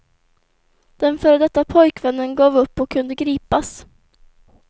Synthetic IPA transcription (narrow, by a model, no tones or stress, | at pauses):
d̪̥ɛnfœːɾd̪ɛt̪ːapʰɔjkvɛnːənɡɑːvɵpːɔkʰːɵnd̪əɡɾiːpas